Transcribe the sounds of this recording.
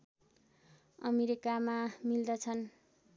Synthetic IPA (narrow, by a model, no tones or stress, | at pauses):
ʌmeɾikamamild̪ʌt͡sʰʌn